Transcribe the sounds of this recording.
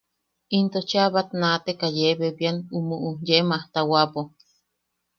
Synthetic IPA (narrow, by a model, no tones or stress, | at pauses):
int̪ot͡ʃaβat̪nat̪ekajeβeβjanumuʔujemaht̪awapo